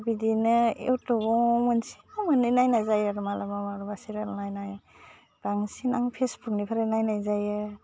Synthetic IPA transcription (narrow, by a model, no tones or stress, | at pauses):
bidinɯḛwtɔbɔmɯnsi̥amɯnɯnajnajzajaɾɯmalamamaɾbasiɾalnajnaj | ɡ̥aŋsina̰ŋpʰesbuk̚nipʰaɾenajnajzajɯ